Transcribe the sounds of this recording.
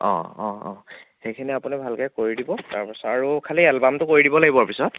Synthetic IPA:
ɔ̰̃ɔ̰̃ɔ̃xejkʰinɛapunibʱalkajkoɹidibɔta̰ɹpɔsɔaɹukʰaliɛlbamtʊkoɹidibɔlaɡibɔaɹpisɔt

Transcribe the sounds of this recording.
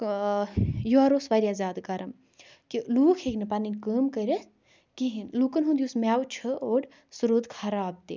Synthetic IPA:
juaɾoːsʋaːɾʲiaːzʲaːd̪kaɾɐm | kiluːkʰekʲnɐpaninʲkəːmkəɾʲɐs | kiɦinluːkɐnɦũnd̪ijusmʲaːwt͡ʃʰəoːɽ | suɾod̪kʰɐɾaːb̚t̪ḭː

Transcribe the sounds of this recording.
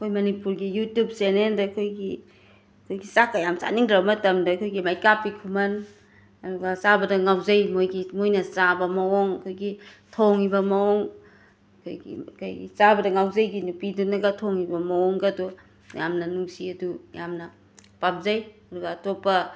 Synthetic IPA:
ɐkʰojmɐnipuɾɡijutjub̚seneldɐkʰojɡi | kʰojɡisakajamsa̰niŋdɾabɐmɐtɐmdɐkʰojɡimajkapːikʰumɐn | ɐduɡɐsabɐdɐŋawzajmojɡimojnɐt͡ʃabɐmɐoŋɐkʰojɡitʰoŋibɐmɐoŋ | kʰojɡḭkʰo̰jɡḭt͡ʃabɐdɐŋawzajɡinupidunɐɡatʰoŋibɐmɐoŋɡadu | jamnɐnuŋsiɐduja̰mnɐ | pap̚zajɐduɡɐːtopɐ

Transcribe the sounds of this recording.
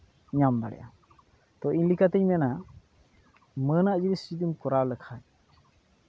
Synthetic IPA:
ɲamb̪a̰ɽɛ̰ʔa̰ | t̪ɔʔinlikat̪əɲmɛna | mənaʔd͡ʒiɾist͡ʃid̪imkɔɾaləkʰaj

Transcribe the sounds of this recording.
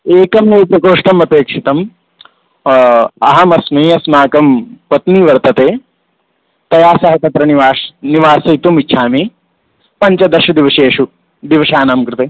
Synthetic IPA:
eːkɐmeːpɐkoːʂʈɐmɐt̪eːkʂit̪ɐm | ɐɦɐmɐsmɐjɐsmaːkɐmpɐt̪niːʋɐɾt̪ɐt̪eː | t̪ɐjaːsɐɦɐt̪ɐt̪ɾɐniʋaːʃniʋaːsɐit̪umit͡ʃʰʃʰaːmi | pɐɲt͡ʃɐd̪ɐɾʃɐd̪iʋɐʃeːʂu | d̪iʋɐʃaːnaːmkɾɪt̪eː

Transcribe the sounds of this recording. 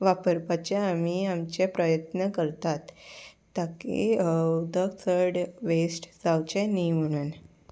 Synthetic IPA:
ʋapəɾpat͡ɕeamiamt͡ɕepɾəjət̪nəkəɾt̪at̪ː | akḛəd̪ʱəɡt̪ʰəɾɽʋesʈd͡zawt͡ɕenim̤əɽ̃uːn

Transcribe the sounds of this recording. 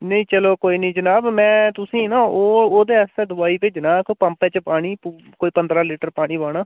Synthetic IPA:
nəĩːt͡ʃəloːkoːiːnĩːd͡ʒənaːbmɛ̃ːt̪ʊsĩːnaːoːoːd̪eːɛsɛ̃ːd̪ʊaːiːped͡ʒənaːkːpəmpɛ̃ːt͡ʃpaːɽ̃iː | koːiːpənd̪ɾaːliːʈəɾpaːɽ̃iːbaːɽaː

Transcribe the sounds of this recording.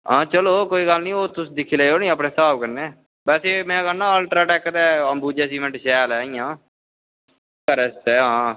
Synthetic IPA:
ɦãːt͡ʃəloːkoːiːɡəlnĩːoːt̪ʊsd̪ɪkʰiːleeoːnĩːəpneːsaːbkəɾneː | bɛːseːmɛ̃ːkənːãːəlʈɾaːʈɛːkd̪ɛːəmbuːd͡ʒɛːs̬iːʋə̃ɳʈʃɛːlɛːijãː | kəɾɛst̪ɛːɦãː

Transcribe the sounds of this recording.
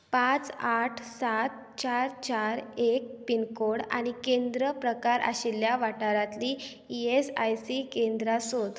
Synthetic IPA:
pãt͡saʈʰsat̪̚ | t͡ɕaɾt͡ɕaɾek̚pinkoɽa̰ɽ̃ikend̪ɾəpɾəkaɾʔa̰ɕilːjaʋaʈaɾãt̪liː | iesajsikend̪ɾasot̪

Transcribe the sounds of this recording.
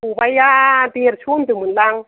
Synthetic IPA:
ubajadiɾt͡ʃund̪imunlaŋ

